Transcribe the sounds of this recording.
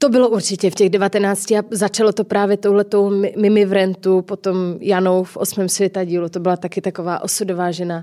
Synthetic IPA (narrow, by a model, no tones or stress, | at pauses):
t̪o̞bɪloʔuɾt͡ʃɪcɛfcɛɣdɛvat̪ɛnaːt͡scɪazat͡ʃalot̪o̞pɾaːvjɛt̪o̞wɦlɛt̪o̞wmɪmɪvɾɛnt̪upot̪o̞mjanowfʔosmɛːmsvjɛt̪aɟiːlut̪o̞bɪlat̪akɪt̪akovaːʔosudovaːʒɛna